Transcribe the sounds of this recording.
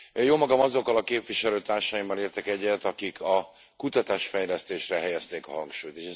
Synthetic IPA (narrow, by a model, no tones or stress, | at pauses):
joːmɒɡɒmɒzo̞kːɒlɒkeːpviʃɛløːt̪aːrʃaːjimːɒleːrt̪ɛkɛɟːɛt̪ɒkikʰɒ | kut̪ɒt̪aːʃfɛjlɛst̪eːʃrɛɦɛjɛst̪eːkɒɦɒŋkʃuːjt̪eːʃɛ